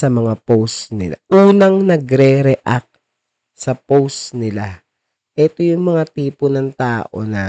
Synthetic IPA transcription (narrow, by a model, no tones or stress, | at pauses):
sɐmɐŋapowst̪nɪ̰la̰ʔuːnɐŋnɐɡɾɛɾɛʔak̪̚ | sɐpowsnɪla | ʔɛt̪o̞jʊŋmɐŋat̪iːponɐŋt̪aːʔo̞̰nɐ